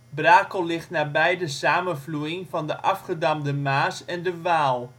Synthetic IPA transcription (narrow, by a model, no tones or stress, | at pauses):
braːkəlɪχtnaːbɛjdəsaːmənvlujɪŋvɑndəʔɑfχədamdəmaːsɛndəʋaːlˠ